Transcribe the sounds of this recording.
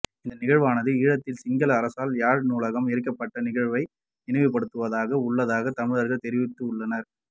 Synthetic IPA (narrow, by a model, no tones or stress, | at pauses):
ɪnd̪ɐnɪɣɐɻʋaːnɐðɯiːɻɐt̪ːɪlsɪŋɡɐlɐːɾɐsaːljaːɻnuːlɐɣɐmɪɾɯk̬ːɐpːɐʈːɐnɪɣɐɻʋɐɪ | nɪnɐʋɪpːɐɽɯt̪ːɯʋɐðaːɣɐʊɭːɐðaːɣɐt̪ɐmɯðɐɾɣɐɭt̪ɛɾɪʋɪt̪ːɯʊɭːɐnɐɾ